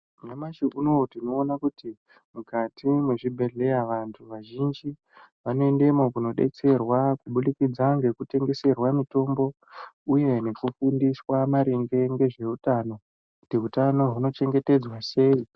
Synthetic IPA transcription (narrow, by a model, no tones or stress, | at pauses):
namaʃiʔunotino̞ːnakuti | mukatʰimeʐibʱe̞ɮe̞jaʋantʰuʋaʒind͡ʒi | ʋano̞e̞nde̞mo̞kuno̞ɗe̞̰t͡se̞rwakuɓulikid͡zaŋɡe̞kute̞ŋɡe̞se̞rwamito̞mbo̞ | uje̞ne̞kufundiswamaɾeŋɡe̞ŋɡe̞ʐe̞utaːno̞ | kutiɦutano̞ɦuno̞t͡ʃe̞ŋɡe̞te̞d͡zwase̞ːi